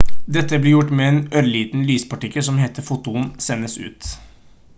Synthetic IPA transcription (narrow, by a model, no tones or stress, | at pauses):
d̪ɛt̪ːəblɪɾjʊʈːmɛeːnœɾliːt̪nlyːspɑʈɪkːəlsɔmheːt̪əɾfut̪ʊənsɛnːəsʉ̰ːt̪